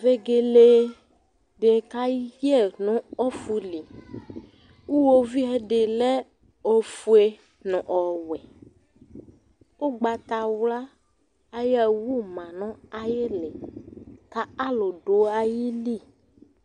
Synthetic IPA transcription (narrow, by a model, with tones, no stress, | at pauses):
ve˦ɡe˨le˨ | ɖe˨ka˦je˦nɔ̃˦ɔ˦fu˦li˨ | wu˦wo˦vi˦ɛ˦ɖe˨le˦ | o˨fu˨˦e˨ | nɔ̃˨ʔɔ˨wɛ˨ | o˦ɡ͡ba˨t̪a˨wla˦ | a˦jɛ˦˨wu˦mã˨nɔ̃˦a˨je˦le˨ka˦a˦lo˨ɖo˨a˨ji˦li˦˨